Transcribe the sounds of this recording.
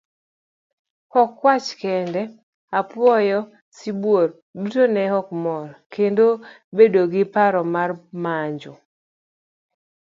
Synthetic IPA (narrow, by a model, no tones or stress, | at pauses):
hɔkːwat͡ʃkɛndɛ | apwɔjɔ | sibwor | dutonɛhɔkmɔrkendo | bedoɡɪpaɾɔmarmaɲd͡ʒɔ